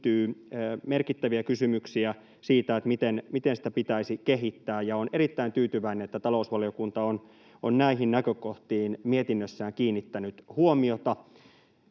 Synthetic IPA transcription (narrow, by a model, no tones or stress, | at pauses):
t̪yːmerkit̪ːæʋiækysymyksiæ | siːt̪æet̪mit̪enmit̪ensi̥t̪æpit̪æisikeɦit̪ːæːjɑoneɾit̪ːæint̪yːt̪yʋæinenet̪ːæt̪ɑlousʋɑlijokunt̪ɑon | onnæiɦinnækøkoht̪iːnmiet̪inːøsːæːŋkiːnːit̪ːænyt̪huomiot̪ɑ